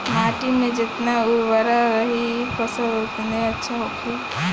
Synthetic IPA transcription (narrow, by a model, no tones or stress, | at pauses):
ɦaʈimẽd͡ʒɪt̪nauʋəɾaɾəɦipəsəot̪neətːʃʰaɦokʰi